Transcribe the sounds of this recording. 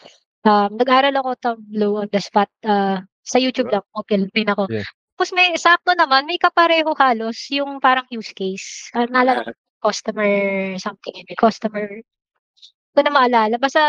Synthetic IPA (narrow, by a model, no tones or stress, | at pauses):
ʔɐmnɐɡʔaːɾɐlɐko̞t̪ɐmblowʔɐnd̪ɐspat̪̚ʔa | sɐjuːt͡ʃ̪ub̚lɐŋopɪlɪpɪnɐko̞tt̪aːposmɐjsaʔp̚t̪onɐmanmɐjkɐpɐɾɛːɦo̞haːlo̞sjʊŋpaːɾɐŋjuːskejsʔɐnɐʔɐlaːlɐŋɐ | kost̪ɐmɛɹsɐmt̪ɪŋɐnokost̪ɐmɛɹ | konɐmɐʔɐlaːlɐbast̪ɐ